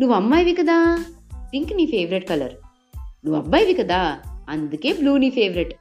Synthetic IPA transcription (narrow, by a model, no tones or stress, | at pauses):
nuʋɐmːaːjʋikɐd̪aːt̪iŋkniːfeːʋɾeʈ̚kɐlɐ̰ɾ | nuʋɐbːaːjʋikɐd̪aːɐnd̪ukeːbluːniːfeːʋɾeʈ